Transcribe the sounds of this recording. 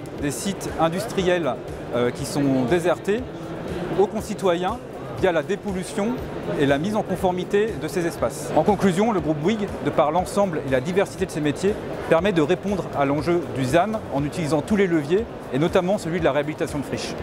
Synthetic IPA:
d̪esit̪ɛ̃d̪yst̪χijɛl | økʲisɔ̃d̪ezɛʁt̪e | okɔ̃sit̪wajɛ̃ | vjalad̪epɔlysjɔ̃ | elamizɑ̃kɔ̃fɔʁmit̪ed̪əsezɛspasɑ̃kɔ̃klyzjɔ̃ləɡʁup̚wiɡd̪əpaʁlɑ̃sɑ̃blelad̪ivɛʁsi̥t̪ed̪əsemet̪je | pɛʁmɛd̪əʁepɔ̃d̪ʁalɑ̃ʒød̪yzanɑ̃nyt̪ilizɑ̃t̪uleləvjeː | nɔt̪amɑ̃səlɥid̪əlaʁeabilit̪asjɔ̃d̪əfχiʃ

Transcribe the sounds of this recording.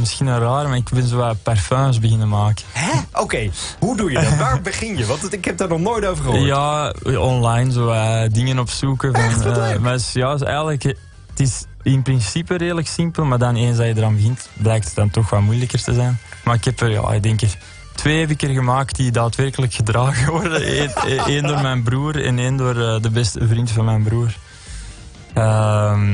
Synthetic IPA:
mɪsxinənraːrmaːɪkbɛnzoːɛlˠpɛrfœːzbəɣɪnəmaːkəɦɛʔokeːɦudujədʋaːrbəχɪnjəʋɑntɪkhɛp̚daːɹnɔχnoːjtowvəχəjaːɔnlajnzoːɛdɪŋənɔpsukəvɑnːmasjɑːsɛ̰jɣələk | ətɪs | ɪnpɾɪnsipəreːləksɪmpəlˠmaːrdɑneːnzdɑjədəɾɑːnbəɣɪntblɛjk̚tə̥t̚dɑntɔxʋɑlmujləkərtəzɛjnmaːɾɪkɦɛpərja̰ːɪ̰ɡ̚dɛŋkɪk | tweːɦɛp̬ɪkərɣəmaːk̚tdidaːtʋɛrkələkxədraːɣəɔrdəeːndoːrmɛjnbruːrɛ̰neːndoːrəːdəbɛstəvrintfɑnmɛjnbruːr | əːm

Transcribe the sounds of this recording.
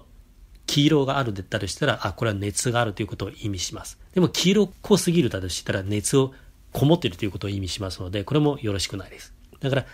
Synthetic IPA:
kʲʰiːɾo̞ːɡaːɾɯ̟d̪et̪ːat̪oɕi̥t̪aɾaʔako̞ɾe̞βane̞t͡sɨɡaːɾɯ̟t̪ːoiɯ̟ko̞t̪o̞ːimʲiɕimasɨ̥d̪̥e̞mo̞kʲʰiːɾo̞ːkʰo̞ːsɨɡʲiɾɯ̟d̪at̪eɕi̥t̪ːaɾane̞t͡sɨo̞ | kʰo̞mo̞t̪ːeɾɯ̟t̪o̞jɯ̟ko̞t̪o̞ːimʲiɕimasɨno̞d̪e̞ko̞ɾe̞mo̞jo̞ɾo̞ɕi̥kɯ̟naid̪e̞sɨ̥d̪akaɾa

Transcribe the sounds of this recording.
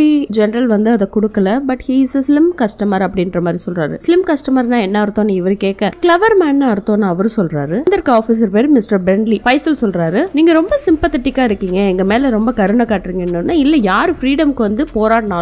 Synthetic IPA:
id͡ʒɛnɐɾɐlʋɐnd̪ɯɐðɛkʊɽɯkːɐlɐbɐʈhiːɪsslɪmkɐsʈɐmɐɾɐpːɐɽɪndɾɐmaːd̪ɾisɔlɾaːɾɯ̰slɪmkɐsʈɐmɐɾnãːɛnːɐɐɾɯt̪ːõːnːɯɪʋɐɾɯkeːkːɐklɐʋɐɾmaːnːaːɪɾɯt̪ːõːnːaːɐʋɐɾɯsɔlɾaːɾɯnd̪ɐɾkːɯaːfis̬ɐɾpeːɾɯmɪsʈɐɾbɛɳlifɐɪsɐlsɔlɾaːɾɯniːŋɡɐɾɔmbɐsɪmpɐt̪ɪt̪ːɪkːaːɪɾɯkːiːŋɡɐɛŋɡɐmeːlɛɾɔmbɐkɐɾɯɳɐkaːʈːɪɾɯːŋɡɐɛnːɯnːaːɪlːɛjaːɾɯfɾiːɽɐmkːɯʋɐnd̪ɯpoːɾaːɽɐnaː

